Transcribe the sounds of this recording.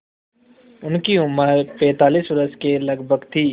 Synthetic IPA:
ʊnkiʊməɾpɛ̃ːt̪aːliːsʋɾəskelɐɡbʱəɡt̪ʰiː

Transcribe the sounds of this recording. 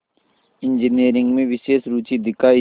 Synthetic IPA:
ɪ̃nd͡ʒiniːɾɪ̃ŋɡmẽʋɪʃeːʃɾuːt͡ʃid̪ɪkaː

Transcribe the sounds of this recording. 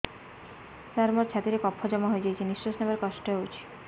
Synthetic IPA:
saɾmɔɾt͡ʃʰat̪iɾekɔpʰːɔd͡ʒɔmɔɦojd͡ʒajt͡ʃʰinist͡ʃɔsnabaɾkɔsʈɔɦeut͡ʃʰi̥

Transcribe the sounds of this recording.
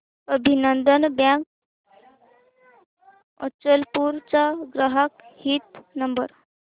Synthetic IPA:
əbʱinənd̪ənbjãk | ɔ̰t͡səlpuɾt͡saɡɾaɦakhit̪nəmbə̰ɾ

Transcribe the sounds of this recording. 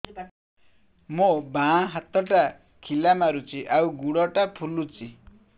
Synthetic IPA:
mobaɦat̪ɔʈa | kʰilamaɾut͡ʃʰiʔawɡuɽɔʈapʰulut͡ʃi

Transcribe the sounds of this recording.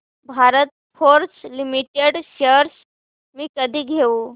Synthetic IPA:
bʱaɾət̪̚ | foɾslimiʈeɽɕəɾs | miːkəd̪ʱiːɡʱeuː

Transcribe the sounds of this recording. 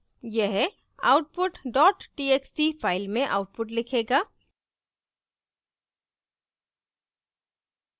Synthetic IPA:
jeɦ | a̰ʊʈ̚pʊʈɖɔːʈːieːksʈipʰaːɪlmẽʔa̰ʊʈ̚pʊʈlɪkʰeːɡaː

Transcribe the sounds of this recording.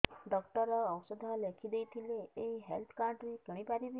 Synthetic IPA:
ɖɔkʈɔɾɔːwsɔd̪ʱɔlekʰid̪ejt̪ʰileːiɦelt̪ʰkaɳʈɾikeɽ̃ipaɾibi

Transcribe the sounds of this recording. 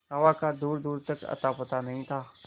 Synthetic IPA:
ɦɐʋakad̪uːɾd̪uːɾt̪ɐkɐ̰t̪apɐt̪anɐɦĩt̪ʰaː

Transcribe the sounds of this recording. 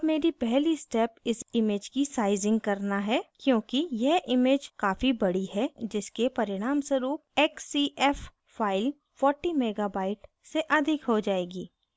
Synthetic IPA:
ɐbmeːɾipɛɦlisʈɛːpɪsɪmeːd͡ʒkisaːɪzɪ̃ŋɡ̚kɐɾnaɦɛkjõːkijeʔɪmeːd͡ʒkaːfibɐɽiɦɛd͡ʒɪskepɐɾɪɽ̃aːmsəɾuːp̚ɛːksiɛːf | faːɪl | fɔːɾʈimeːɡabaːɪʈ | seʔɐd̪ʱɪkɦod͡ʒaːeːɡiː

